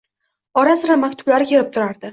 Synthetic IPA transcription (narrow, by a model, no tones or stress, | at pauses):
ɒɾasɪɾamakʲt̪ʰʊblaɾɪkʲʰe̞ɾɪp̚t̪ʰʊɾaɾd̪ɪ